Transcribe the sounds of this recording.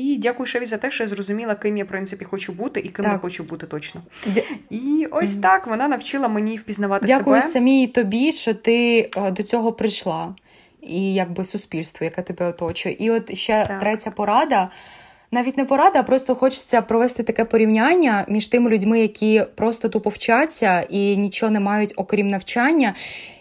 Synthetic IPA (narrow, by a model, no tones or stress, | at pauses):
idʲakʊjʊsɐʋʲizɐt̪ɛʃt͡ʃɔjazrɔzʊmʲilˠɐkɪmjapɾɪntsɪpʲixɔt͡ʃubut̪ɪʔikɪmjaxɔt͡ʃʊbut̪ɪt̪ɔt͡ʃnɔ | aiɔsʲt̪ɑkʋɔnɑnɐwt͡ʃɪlˠɐmenʲiwpʲiznɐʋɑt̪dɪsʲakʊjjʊsɐmʲijit̪ɔbʲiʃt͡ʃɔt̪ɪd̪ɔt͡sʲɔɦɔpɾɪʃlˠɑ | ijɐɡ̚bɪsʊspʲilʲst̪ʋɔjɐkɛt̪ɔbʲɛɔt̪ɔt͡ʃʊjɛ̰ʔiɔt̪ʃt͡ʃɛt̪ɾɛtʲɐpɔɾɑd̪ɐ | nɑʋʲitʲnɛpɔɾɑd̪ɐːpɾɔst̪ɔxɔt͡ʃɪ̥t͡sʲːɐpɾɔʋɛst̪ɪt̪ɐkɛpɔɾʲiwnʲanʲːɐmʲiʃt̪ɪmɪlʲʊdʲmɪjɐkʲʰipɾɔst̪ɔt̪upɔwt͡ʃat͡sʲːɐinʲit͡ʃɔɔnɛmɑjʊtʲɔkɾʲimnɐwt͡ʃɑnʲːɐ